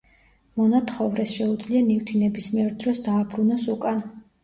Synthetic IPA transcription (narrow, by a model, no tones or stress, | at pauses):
mɔnat̪ʰχɔvɾɛsʃɛud̪zlianift̪ʰinɛbismiɛɾd̪ɾɔsd̪aːbɾunɔsukʼan